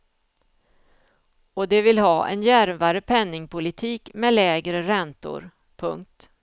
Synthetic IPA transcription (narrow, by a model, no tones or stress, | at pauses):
ɔd̪ɛvɪlɦɑːʔɛ̰njæɾvaɾəpʰɛnːɪŋpʰʊlɪt̪ʰiːkmɛlɛːɡɾəɾɛnt̪ʊ̰ɾ | pʰɵ̰ŋk̚t̪